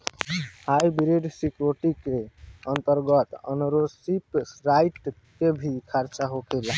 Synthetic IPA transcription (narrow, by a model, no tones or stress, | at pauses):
hajbɾeɖsikɾoʈikeənt̪əɾɡət̪ə̰nɾosipɾaiʈ | kebʱikʰəɾt͡ʃaɦokʰel